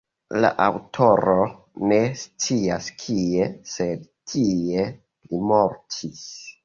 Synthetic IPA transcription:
la̰ʔawtʰo̞ɾo̞ | ne̞st͡siaskʰiese̞d | tʰie̞ | limo̞ɾtʰis

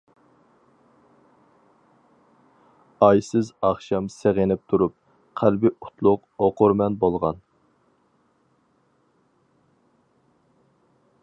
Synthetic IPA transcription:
ɑjsɪzɑχʃɑmseʁenɪp̚t̪ʰuɾup̚ | qʰælbɪʔu̥t̪ʰlˠʊq | oqʊɾmɛnbolˠʁɑn

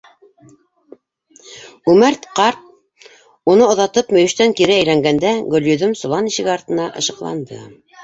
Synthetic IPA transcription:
ʉmæɾt̪qɑɾt̪̚ | unɤŏðɑt̪ɤpmɵ̆jɵ̆ʃt̪æŋkiɾææjlæŋɡænd̪æɡɵ̆ljɵ̆ðɵmsŏlˠɑniʃɘ̆ɡɘɑɾt̪ɤ̆nɑʔɤ̰̆ʃɤ̆qlˠɑ̰nd̪ɤ̰

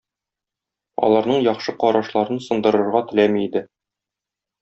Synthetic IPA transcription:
ɒ̰lˠɑɾnɤɴjɒχʃɤqɒɾɑʃlˠɑɾɤnsɤ̆nd̪ɤ̆ɾɤ̆ɾʁɑt̪ɘ̆læmiid̪ɘ

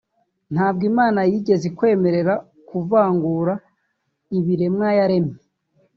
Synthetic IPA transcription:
n̥haːb̚ɡimaːnajiɟe̞zekwe̞ːme̞ɾe̞ɾa | kuvaːŋɡuːɾa | iβiɾe̞mŋajaɾe̞me

